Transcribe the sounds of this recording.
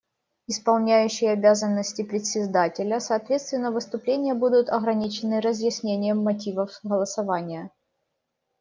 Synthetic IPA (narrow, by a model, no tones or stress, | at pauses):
ɪspɐlˠnʲæjʉɕːɪjəɐbʲazənːəsʲtʲɪpɾʲɪt̪sʲɪzd̪atʲɪlʲəsɐːt̪vʲet̪st̪vʲɪnːəvɨst̪ʊplʲenʲɪjəbud̪ʊt̪ɐɣɾɐnʲit͡ɕɪnːɨɾəzjɪsʲnʲenʲɪjəmːɐtʲivəfɣəlˠəsɐvanʲɪjə